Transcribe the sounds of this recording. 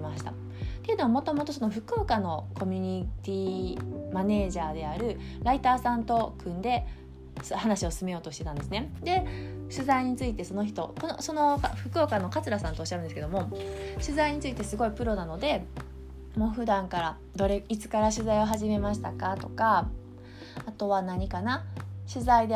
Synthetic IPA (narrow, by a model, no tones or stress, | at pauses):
maɕi̥t̪a | t̪e̞jɯ̟no̞amo̞t̪o̞mo̞t̪o̞s̬o̞no̞ɸɯ̟koːkano̞ko̞mʲyɲ̟it̪ʲiːmane̞ːʑaːd̪e̞aɾɯ̟ɾait̪aːsãnt̪o̞kɯ̟̃nd̪e̞ | shanaɕio̞sɨme̞joːt̪o̞ɕi̥t̪e̞t̪ãnd̪e̞sɨne̞d̪e̞ɕɨzaiɲ̟it͡sɨit̪e̞so̞no̞çi̥t̪o̞ko̞noso̞no̞kɸɯ̟kɯ̟okanːo̞kat͡sɨɾasãnt̪oːɕiaɾɯ̟̃nesɨ̥keo̞mo̞ɕɨzaiɲ̟it͡sɨit̪e̞sɨɡo̞ipɯ̟ɾo̞nano̞d̪e̞ | mo̞ːɸɯ̟d̪ãŋkaɾa | d̪o̞ɾe̞it͡sɨ̥kaɾaɕɨzaio̞ɦaʑime̞maɕi̥t̪akat̪o̞ka | t̪o̞βanaɲ̟ikanaɕɨzaid̪e